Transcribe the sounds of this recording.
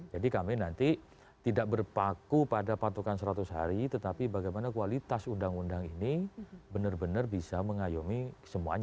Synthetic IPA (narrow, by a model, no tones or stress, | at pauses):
d͡ʒadikaminant̪i | t̪idak̚bərpakupadapat̪ukansəɾat̪ʊsɦaɾit̪ət̪apibaɡajmanakualit̪asundaŋundaŋinibənərbənərbisaməŋajomisəmuaɲa